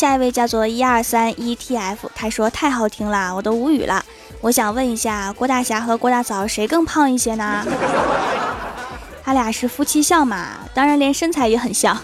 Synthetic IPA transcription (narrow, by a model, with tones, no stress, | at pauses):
ɕja˥˧i˧˥we˥˧ɪt͡ɕjɑ˥˧ʊt͡swɔ˥˩i˥ɐ˞˥˩sa˥ni˥t̪ʰi˥˩ɛ˥˩ɪfu˨˩t̪ʰa˥ɪʂwɔ˥t̪ʰa˥˩ɪxɑ˥˩ʊt̪ʰi˧˥ŋlə˧wɔ˨˩t̪o˥ʊu˧˥y̰˨˩lʔə̰˦ | wɔ˧˥ɕjɑ˨˩ŋwə˥˩ni˧˥ɕja˥˩kwɔ˧˥t̪a˥˩ɕja˧˥xɤ˧˥kwɔ˥t̪a˥˩t͡sʰɑ˨˩ʊʂe˧˥ɪkɤ˥˧ŋpʰɑ˥˧ŋi˥˩ɕjɛ˥nə˧ | t̪ʰa˥lja˨˩ʂɻ̩˥˩fu˥t͡ɕʰi˥ɕjɑ˥˩ŋmɐ̰˩ | t̪ɑ˥ŋɻa˧˥nljɛ˧˥nʂə˥nt͡sʰa˧˥ɪjɛ˧˥xə˨˩nɕjɑ˥˩ŋ